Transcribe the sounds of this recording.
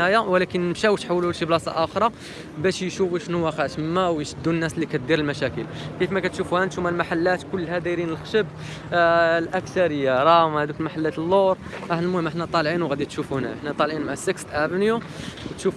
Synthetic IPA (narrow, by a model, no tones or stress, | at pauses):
æjæwlækənəmʃæwt̪ħawːlulʃiblɑsˤɑ̰ʔæxɾˤɑ | bæʃjʃuwiʃnuwæxæt̪mːæwjʃəd̪ːunːæslːikæt̪̚d̪iɾəlmæʃækəl | kəfmækæt̪ʃufuhænt̪ʃumaʕlmaħalːæt̪kʊlːhæd̪iɾinəlxʃəb | lʔækt̪ɑɾəjːaɾˤɑmhæd̪ukəlmaħalːæt̪əlːoɾˤ | ʔæħnəlmʊhəmʔəħnæt̪ˤɑlʕinwɣæd̪it̪ʃufuhnæʔəħnæt̪ˤɑlʕinmaʕsəkst̪ʔæbnju | wt̪ʃuf